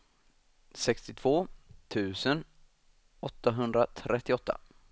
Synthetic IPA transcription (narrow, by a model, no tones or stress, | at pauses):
sɛkst̪ɪt̪ʰv̥oːt̪ʰʉ̟ːsən | ɔt̪ːaɦɵnd̪ɾat̪ʰɾʔɛt̪ːɪɔt̪ːa̰